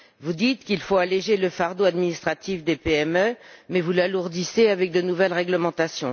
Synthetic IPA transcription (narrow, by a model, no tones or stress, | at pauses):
vud̪it̪kʲilfoaleʒeləfaʁd̪oad̪minist̪χat̪ifd̪epeɛmømɛvulaluʁd̪iseavɛk̚d̪ənuvɛlʁɛɡləmɑ̃t̪asjɔ̃